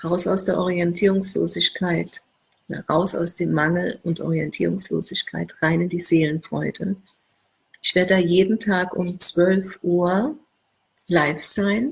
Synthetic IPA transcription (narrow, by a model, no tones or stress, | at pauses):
ʁaʊsaʊsd̥eːɐʔɔʁiɛntʰiːʁʊŋslo̰ːzɪçkʰaɪt | ʔoːdɐ̰ʁaʊsa̰ʊsd̥eːmːaŋl̩ʊntʔɔ̰ʁiɛntʰiːʁʊŋslo̰ːzɪçkʰa̰ɪtʁ̥aɪnɪndiːzeːlənfʁ̥ɔʏdə | ʔɪçv̥eːɐdədaːjeːdn̩tʰaːkʊ̰mt͡sv̥œlfʔuːɐ | laɪfz̥aɪn